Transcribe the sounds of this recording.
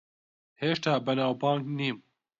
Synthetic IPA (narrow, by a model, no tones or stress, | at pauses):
heːʃt̪aːbənaːwbaːŋkniːm